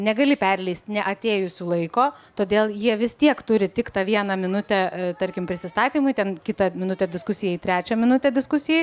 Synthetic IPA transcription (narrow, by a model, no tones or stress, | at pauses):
nʲɛɡɐlʲɪpʲɛrʲlʲɛɪsʲt̪nʲɛʔɐt̪ʲeːjʊsʲuːlˠɐɪkoːt̪oːd̪ʲeːlˠjiɛʋʲɪst̪ʲiɛkt̪ʊɾʲɪtʲɪkt̪ɑːʋʲiɛnɐmʲɪnʊt̪ʲɛt̪ɐɾʲkʲɪmpʲɾʲɪsʲɪst̪ɑːt̪ʲiːmʊɪt̪ʲɛnkʲɪt̪ɐmʲɪnʊt̪ʲɛd̪ʲɪskʊsʲɪjɛit̪ʲɾʲæːt͡ʃʲɛmʲɪnʊt̪ʲɛd̪ʲɪskʊsʲɪjɛ